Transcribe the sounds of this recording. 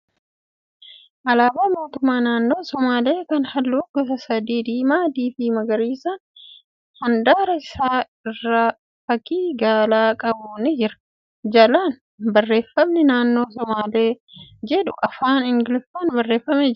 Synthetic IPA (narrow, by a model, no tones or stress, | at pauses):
ʔɐlaːbaːmo̞ːt̪ʊmːaːnaːnːo̞ːsɔmaːle̞ːkɐnhɐlːuːɡɔsɐsɐd̪iːd̪iːmaːd̪iːfiːmɐɡɐɾiːsan | hɐnd̪aːɾɐɪsaː | ɪrːaː | fɐkiːɡaːlaːkʼɐbuːnɪd͡ʒɪɾɐ̥ | d͡ʒɐlaːn | bɐrːe̞ːfːɐmnɛnaːnːo̞ːsɔmaːle̞ːd͡ʒɛᶑʊʔɐfaːnɪŋɡɪlɪfaːnbɐrːe̞ːfːɐmeːd͡ʒ